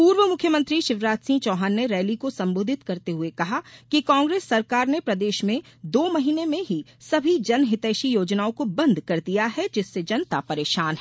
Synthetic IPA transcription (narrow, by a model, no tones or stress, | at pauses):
puːɾʋəmʊkʰjəmə̃nt̪ɾiʃɪʋɾaːt̪sĩːt͡ʃɔːɦaːnːeɾɛːlikosɐ̃mboːd̪ʱɪt̪kɐɾt̪eɦʊekɐɦakikãːŋɡɾeːsːɐɾkaːɾnepɾɐd̪eːʃmẽd̪oːmɐɦiːnemẽɦisɐbʱid͡ʒɐnɦɪt̪ɛːʃijoːd͡ʒnaːõkobɐ̃nd̪ʱkɐɾd̪ijaɦɛd͡ʒɪsːed͡ʒɐnt̪apɐɾeːʃaːnɦɛ